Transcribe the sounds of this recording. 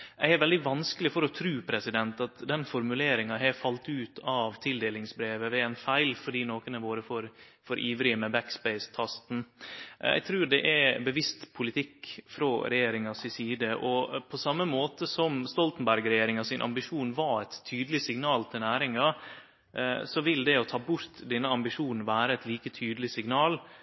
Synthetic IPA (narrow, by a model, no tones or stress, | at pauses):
jæ̰ɪæɾʋɛld̪ɪʋɑnskəlɪfɔɾɔt̪ʰɾʉːpʰɾɛsɪd̪ɛnt̪ɑt̪d̪ɛnfɔɾmʉleːɾɪŋɑɦɛfɑlt̪ʉːt̪ʰɑʋt̪ʰɪld̪eːlɪŋsbɾeːʋəʋɛɛnfæɪlfɔɖiːnoːkənəʋoːɾəfɔɾ | fɔɾʔiːʋɾɪəmɛbækspæɪst̪ʰɑst̪n̩æ̰ɪt̪ʰɾʉːɖ̪ɛʔæbəʋɪst̪pʰʊlɪt̪ʰɪkːfɾɔɾɛjeːɾɪŋɑsɪsiːd̪əʔɔpʰɔsɑmːəmoːt̪əsɔmst̪ɔlt̪n̩bæɾɡɾɛjeːɾɪŋɑsɪnʔɑ̰mbɪʂuːnʋɑɛt̪ʰːyːd̪əlɪsɪŋnɑːlt̪ʰɪlnæːɾɪŋɑ | sɔʋɪld̪ɛɔt̪ʰɑːbʊɾt̪d̪ɛnːəɑmbɪʂuːnn̩ʋæːɾəɛt̪liːkət̪ʰyːd̪əlɪsɪɡnɑːl